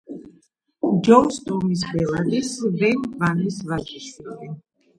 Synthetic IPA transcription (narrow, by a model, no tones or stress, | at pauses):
d͡ʒɔst̪ɔmis̬bɛlad̪isvɛnvanisvad͡ʒiʃid̪ɛn